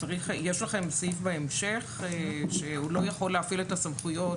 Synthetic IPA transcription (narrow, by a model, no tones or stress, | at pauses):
t͡saʁiχjeʃlaχe̞msifbaemʃe̞χʃeulo̞jaχo̞leafiletasamχujo̞t